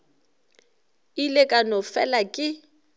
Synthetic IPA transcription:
ilekʼanɔfɛlakʼɪ

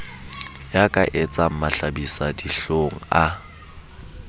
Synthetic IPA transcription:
jakʼa̰ʔet͡sʼam̩maɬabisadiɬoŋ̩a

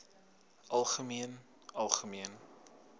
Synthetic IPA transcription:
ʔɐlˠχəmiən | ɐlˠχəmiən

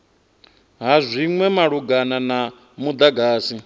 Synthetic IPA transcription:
ɦazʷiŋwɛmaɺuɡanana | mud̪aɡaːsi

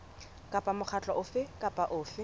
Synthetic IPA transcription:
kʼapʼamʊk͡xʰat͡ɬʼɔʔʊfɪkʼapʼaʔʊːfɪ

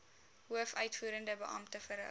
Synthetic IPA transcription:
ɦuəfœɥtfuːɾəndəbəʔɑmtəfəɾ̰

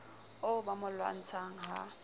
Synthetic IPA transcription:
ʊbamʊlwa̰n̩t͡sʰaŋ̩ɦa̰

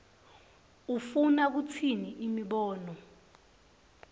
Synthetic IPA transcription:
ufunak̬ut͡sʰiniʔimiɓɔːnɔ

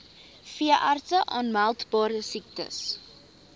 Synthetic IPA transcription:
fiəʔɐrtəʔɑːnmælˠtbɑːɾəsik̚tə̰s

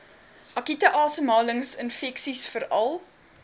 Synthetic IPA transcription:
ʔɐkitəʔɑːsəmɑːləŋsənfɛksisfəɾɐlˠ

